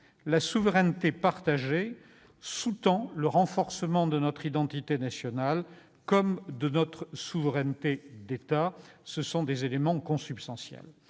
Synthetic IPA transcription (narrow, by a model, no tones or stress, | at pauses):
lasuvʁɛnt̪epaʁt̪aʒe | sut̪ɑ̃ləʁɑ̃fɔʁsəmɑ̃d̪ənɔt̪χid̪ɑ̃t̪it̪enasjɔnal | kɔmd̪ənɔt̪χsuvʁɛnt̪ed̪et̪asəsɔ̃d̪ezelemɑ̃kɔ̃sypst̪ɑ̃sjɛ̰l